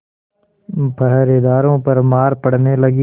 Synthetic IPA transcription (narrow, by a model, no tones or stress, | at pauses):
bʱəɦɾed̪aːɾõpɐɾmaːɾpɐɽ̤nelɐɡi